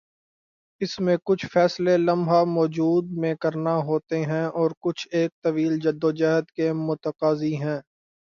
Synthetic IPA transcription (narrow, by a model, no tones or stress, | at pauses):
ɪsmẽkʊt͡ʃʰfɛːslelɐ̃mʱɦamɔːd͡ʒuːd̪̚mẽkɐɾnaɦoːt̪eɦɛ̃ʔɔːɾkʊt͡ʃʰeːk̚t̪ɐʋiːld͡ʒəd̪ːod͡ʒɛɦəd̪kemʊt̪əqaːziɦɛ̃ː